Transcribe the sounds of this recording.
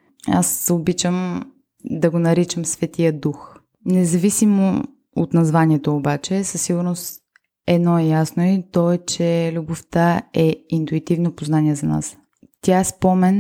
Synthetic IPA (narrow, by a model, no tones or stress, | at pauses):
a̰sobit͡ʃəm | d̪ɐɡonɐɾit͡ʃəmsvɛt̪ijəd̪ux | nɛzɐvisimo̰ | o̰t̪nɐzvaniɛt̪oːbat͡ʃɛsɐsːiɡʊɾnost̪ | ɛd̪nɔɛjasnoit̪ɔɛt͡ʃɛlʲuboft̪əɛint̪uit̪ivnopoznanʲiɛzɐna̰s | t̪ʲjaɛspɔmɛn